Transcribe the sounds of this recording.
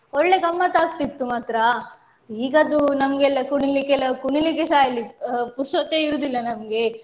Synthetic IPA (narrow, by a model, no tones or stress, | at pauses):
ɔɭːekɐmːɐt̪aːɡt̪it̪ːumaːt̪ɾɐ | iːɡɐd̪unɐmɡɛlːɐkuɳilikelːɐkuɳilikesaːjɐlːipuɾsɐt̪ːeːiɾud̪ilːɐnɐmɐɡe̞